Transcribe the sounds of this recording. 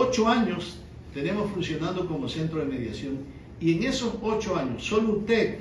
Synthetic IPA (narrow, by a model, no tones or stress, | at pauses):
ot͡ʃoaɲos | t̪e̞ne̞mo̞sfunsjo̞nãnd̪oko̞mose̞nt̪ɾo̞ðeme̞ðjasjo̞ŋ | ieŋe̞sosot͡ʃoaɲosːoloust̪e